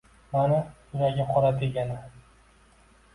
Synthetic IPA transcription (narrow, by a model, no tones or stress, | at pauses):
mana | ʊɾaɡʲaqʰɒɾat̪ʰeɡʲana